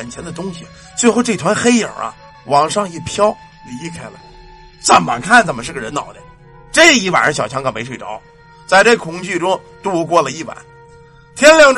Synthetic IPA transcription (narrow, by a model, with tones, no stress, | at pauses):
ɛ˨˩nt͡ɕʰɛ˧˥nd̪ə˧t̪ʊ˥ŋɕi˨˩ | t͡swe˥˧ɪxo˥˧ʊʈ͡ʂɤ˥˩˨t̪ʰwa˧˥nxe˥ɪə̰˞˨˩ɐ̰˧˦ | wɑ˨˩ŋʂɑ˥˧ŋi˥˩pʰjɑ˥ʊ | li˧˥kʰa˥ɪlə̰˨˩ɪ | t͡sə˨˩mma̰˨˩kʰa˥˩nt͡sə˨˩mə˦ʂɻ̩˥˩ɡə˩ɻə˧˥nnɑ̰˨˩ʊd̪ɛ̰˧˥ | ʈ͡ʂə˥˧˩i˥˩wa̰˨˩n˥ɕjɑ˨˩ʊt͡ɕʰɑ˧˥ŋkɑ˨˩mpe˧˥ɪʂwe˨˩ɪʈ͡ʂɑ˧˥ʊ | t͡sa˥˧ɪʈ͡ʂe˥˩kʰʊ˧˥ŋt͡ɕy˥˩ʈ͡ʂʊ˥ŋ | t̪u˥˩kwɔ˥˧lə˨i˥˩wa̰˨˩˦n | t̪ʰjɛ˥nljɑ˥˧ŋʈ͡ʂ